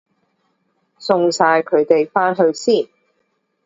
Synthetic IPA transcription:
sʊ˧ŋsaː˧jkʰɵ˨˧ɥt̪e˨jfaː˥nɦɵ˧ɥsiː˥˩n

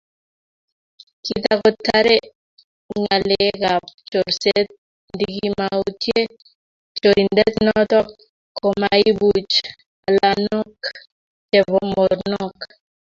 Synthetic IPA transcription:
kit̪akɔ˦ta˦ɾɛ˦ | ɲa˨lekapt͡ʃɔ˨ɾsɛt̪̚ | ndiki˦mao˦tje˦ | t͡ʃo˨ɾindɛ˦t̪nɔt̪a˦ | kʰɔ˨mai˦but͡ʃ | a˨lanɔ˦k | t͡ʃɛ˨bɔmɔ˨ɾnɔ˦k

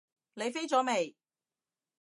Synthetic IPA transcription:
le˨˧jfe˥jt͡sɔː˨˥me˨˩j

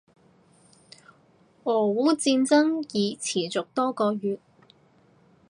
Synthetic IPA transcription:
ɔː˨˩wuː˨˥t͡siː˧nt͡sɐ˥ŋjiː˨˧t͡sʰiː˨˩t͡sʊ˨k̚t̪ɔː˥kɔː˧jyː˨t̚

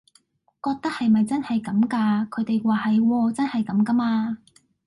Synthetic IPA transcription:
kɔː˧k̚t̪ɐ˥k̚hɐ˨jmɐ˨jt͡sɐ˥nhɐ˨jkɐ˨˥mkaː˧kʰɵ˨˧ɥt̪e˨jwaː˨hɐ˨jwɔː˧t͡sɐ˥nhɐ˨jkɐ˨˥mkɐ˥maː˧

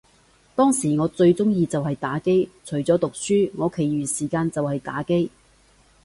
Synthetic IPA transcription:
t̪ɔː˥ŋsiː˨˩ŋɔː˨˧˥t͡sɵ˧ɥt͡sʊ˥ŋjiː˧t͡sɐ˨whɐ˨jt̪aː˨˥ke˥jt͡ʃʰɵ˨˩ɥt͡sɔː˨˥t̪ʊ˨k̚syː˥ŋɔː˨˧kʰe˨˩jɥyː˨siː˨˩kaː˧nt͡sɐ˨whɐ˨jt̪a̰ː˨˥ke˥j

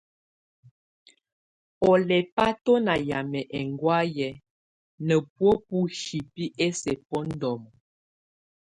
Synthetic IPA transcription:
ɔ˨lɛ˨pa˦tɔ˦na˨ja˨mɛ˨ʔɛ˨ŋɡwa˦jɛ˨ | nə˨pwo˦pu˦ʃi˨pi˦ʔe˦sɛ˨pɔ˦n̩˦dɔ˨mɔ˨

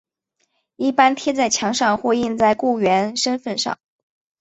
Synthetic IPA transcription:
i˥˩pa˥nt̪ʰjɛ˥t͡sa˥˩ɪt͡ɕʰjɑ˧˥ŋʂɑ˥˧ŋxwɔ˥˧i˥˧nt͡sa˥˧ɪku˥˩ɥɛ˧˥nʂə˥nfə˥˧nʂɑ̰˥˩ŋ

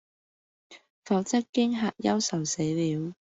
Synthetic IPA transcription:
fɔː˨˧˥wt͡sɐ˥kkːɪ˥ŋɦaː˨t̚jɐ˥wsɐ˨˩wse˨˥jliː˨˧˥w

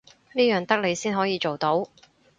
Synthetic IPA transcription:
niː˥jœː˨ŋt̪ɐ˥k̚le˨˧jsiː˥nɦɔː˨˥jiː˨˧t͡ʃo˨wt̪o˨˥w

